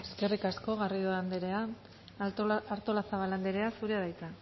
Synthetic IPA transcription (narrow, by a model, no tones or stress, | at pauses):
e̞ske̞rikasko̞ɣariðoand̪eɾe̞a | aɾt̪o̞lasaβaland̪eɾe̞asuɾeaðajt̪a